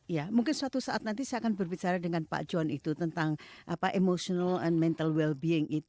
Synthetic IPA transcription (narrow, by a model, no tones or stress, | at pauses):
ijamuŋkɪnsuat̪usaʔat̪̚nant̪isaakanbərbit͡ʃaɾadəŋanpa̰ʔd͡ʒɔanit̪ut̪ənt̪aŋʔapaʔemosɔnalɛnmɛnt̪alwɛlbiɪŋʔit̪u